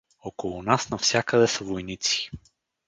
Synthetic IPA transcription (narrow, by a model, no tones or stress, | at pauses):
ɔkolˠunasnɐfsʲjakəd̪ɛsəvojnit̪si̥